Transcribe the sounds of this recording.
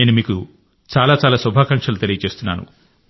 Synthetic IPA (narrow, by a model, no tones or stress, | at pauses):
eːnumiːku | t͡ʃaːlaːt͡ʃaːlaːsubʱaːkɐŋkʂɐlut̪elijɐt͡ʃe̞ːst̪unːa̰ːnṵ